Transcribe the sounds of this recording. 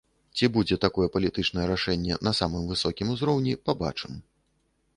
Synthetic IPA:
t͡sʲibud͡zʲɛt̪akɔjɛpɐlʲit̪ɨt͡ʂnɐjɛɾaʂɛnʲːɛ̰nɐsamɨmvɨsɔkʲimuzɾɔwnʲipaba̰t͡ʂɨm

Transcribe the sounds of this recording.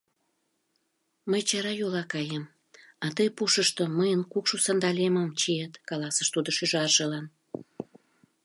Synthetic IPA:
məjt͡ɕɑɾɑjolɑkɑjəm | ɑt̪əjpuʃəʃt̪oməjənkukʃusɑnd̪ɑlʲeməmt͡ɕiet̪kɑlɑsəʃt̪ud̪oʃyʒɑrʒelɑn

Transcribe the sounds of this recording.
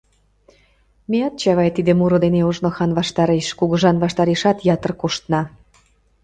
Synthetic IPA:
meɑt̪̚t͡ɕɑβɑjt̪id̪emuɾod̪eneuʒnoxɑnβɑʃt̪ɑɾeʃkuɣə̆ʒɑnβɑʃt̪ɑɾeʃɑt̪jɑt̪ərkoʃt̪nɑ

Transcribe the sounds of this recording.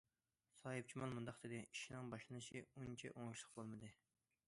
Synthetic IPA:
sɑːɨp̚t͡ʃʰimɑlˠmund̪ɑqd̪ɨd̪ɪiʃinɨŋbɑʃlˠɨnɨʃiunt͡ʃʰɛ̰ʔoŋʊʃlˠəqbolˠmɨd̪ɨ

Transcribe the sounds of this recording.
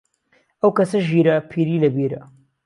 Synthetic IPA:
ɐwkɐsɐʒiːɾɐpʰiːɾiːlɐbiɾɐ̰

